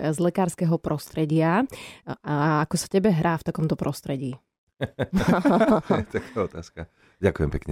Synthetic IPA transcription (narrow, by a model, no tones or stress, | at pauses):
zlɛkaːɾskɛɦɔpɾɔst̪ɾɛɟɪa | aakɔsḁcɛbɛɦɾʔaːft̪akɔmt̪ɔpɾʔɔst̪ɾɛɟiː | t̪akaːɔt̪aːska | ɟakujɛmpɛkɲɛ